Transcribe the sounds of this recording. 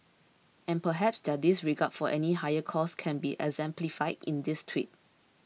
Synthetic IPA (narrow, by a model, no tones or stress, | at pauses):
ɛ̃npəɦɛpsdɛdisɹiɡad̥fɔʔɛniɦajəkʰɔskʰɛ̃nbiʔɛ̰ɡzɛ̃mplifaɪdḭ̃ndistʰwḭt̚